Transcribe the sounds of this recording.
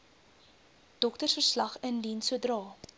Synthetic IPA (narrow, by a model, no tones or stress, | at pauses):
d̥ɔktərsfərslɐχəndinsuədrɑː